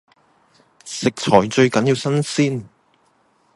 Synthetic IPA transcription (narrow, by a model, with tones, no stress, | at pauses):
sɪ˨k̚t͡ʃʰɔː˨˩jt͡ʃɵ˧ɥkɐ˨˦njiː˧wsɐ˥nsiː˥n